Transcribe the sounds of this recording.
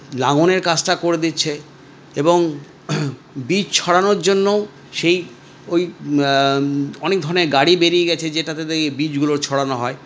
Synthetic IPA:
laŋoneɾkat͡ɕʈakoɾed̪itːʰe | eboŋ | bid͡ʑt͡ɕʰɔɽanoɾd͡ʑonːow | ʃej | oj | ɔnek̚d̪ʱɔɾneɾɡaɽibeɾijeɡɛt͡ɕʰed͡ʑeʈat̪ed̪eebid͡ʑɡuloɾt͡ɕʰɔɽanoɦɔe

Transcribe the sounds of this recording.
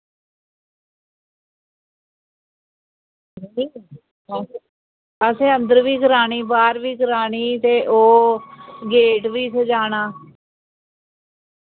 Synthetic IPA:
i | əsẽːə̃nd̪əɾʋiːɡəɾaːɽ̃iːbaːɾʋiːɡəɾaːɳ̃iːt̪eːʔoː | ɡeːʈʋiːsəd͡ʒaːɽaː

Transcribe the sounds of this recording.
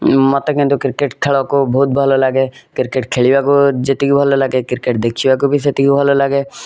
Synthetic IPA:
mət̪əkẽt̪okɪɾkeʈkʰeɭokobʱoːt̪̚bʱəlolaɡekɪɾkeʈkʰeɭiwakod͡ʒet̪ikibʱəlolaɡekɪɾkeʈ̚d̪ekʰiwakobʱis̬et̪ikibʱəlolaɡe

